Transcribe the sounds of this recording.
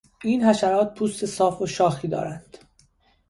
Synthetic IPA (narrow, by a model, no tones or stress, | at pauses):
iːnhæʃæɾɒːt̪̚pʰuːst̪e̞sɒːfoʃɒːxiːd̪ɒ̰ːɾænd̪̥